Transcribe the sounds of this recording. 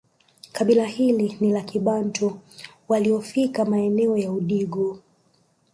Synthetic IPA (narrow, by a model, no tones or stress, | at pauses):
kaɓilahilinilakiɓantʰɔ | waliɔfikamaɛnɛɔjauɗiɡu